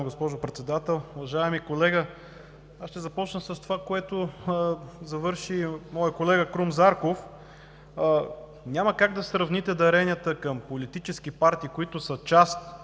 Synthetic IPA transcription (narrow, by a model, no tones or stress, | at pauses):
ɡospɔʒʊpɾɛt̪sɛd̪at̪ɛlˠʊvɐʒaɛmikolɛɡə | aʃt̪ɛzɐpɔt͡ʃnəsəst̪ovakoɛt̪o | zɐvɤɾʃimɔjəkolɛɡəkɾumzaɾkof | nʲaməkaɡd̪ɐsɾɐvnit̪ɛd̪ɐɾɛnʲijət̪əkɐmpolit̪it͡ʃɛskipaɾt̪iːkoit̪ʊsət͡ʃast̪